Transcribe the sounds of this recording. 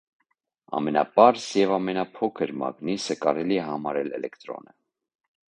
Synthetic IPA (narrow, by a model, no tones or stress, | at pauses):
ɑ̰mɛnɑ̰pɑɾsjɛvɑmɛnɑpʰɔkʰəɾmɑ̰ɡnisəkɑɾɛliɛɦɑmɑɾɛlɛ̰lɛkt̪ɾɔ̰nə